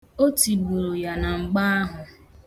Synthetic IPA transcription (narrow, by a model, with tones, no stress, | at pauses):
o˦ti˨bu˨ɾo˨ja˨na˨ŋ͡m̩˨ɡ͡ba˦a˦ɦʊ˨